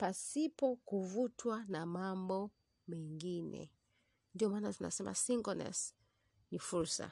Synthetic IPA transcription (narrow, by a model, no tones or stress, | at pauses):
pasipɔkuvutʰwanamambɔ | mɛŋɡinɛ̰ | ndiɔmaːnatina̰sɛmʔa̰siŋɡɔnɛ̰s | nifuɾsa̰